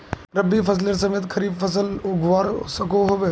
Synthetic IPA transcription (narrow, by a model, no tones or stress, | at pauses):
ɾɐbifɐs̬leɾs̬ɐmeːt̪kʰɐɾiːbfɐsəlʊɡʱʋaːɾsɐkoɦoʋe